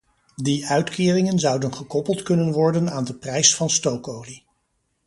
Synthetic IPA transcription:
diœɥtkɪːrɪŋənzʌwdənχəkɔpəlˠtkɵnənʋɔɹdənaːndəprɛjsfɑnstowkowli

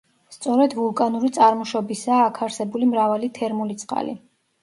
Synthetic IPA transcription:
st̪sʼɔɾɛd̪vulˠkʼanuɾit̪sʼaɾmɔʃɔbisaːkʰaɾsɛbulimɾavalit̪ʰɛɾmulit̪sʼqʼa̰lḭ

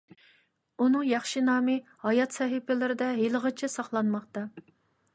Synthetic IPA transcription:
unɨŋjɑχʃinɑːmɨ | hɑjɑt̪sɛɦɪpʰɪlɪɾɪd̪ɛɦelˠəʁət͡ʃʰɛsɑχlˠɑnmɑqt̪ɑ

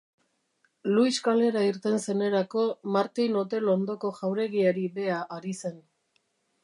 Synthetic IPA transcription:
lujskale̞ɾaiɾt̪e̞nse̞ne̞ɾako̞maɾt̪ino̞t̪̬e̞lond̪o̞ko̞ʝawɾe̞ɣiaɾiβe̞aʔaɾise̞n

